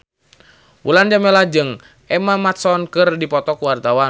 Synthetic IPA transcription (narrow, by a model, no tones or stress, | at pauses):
wuland͡ʒamɛlad͡ʒɨŋ | ʔɛmamat̪̚sɔnkɨrdipɔt̪ɔkuwart̪awa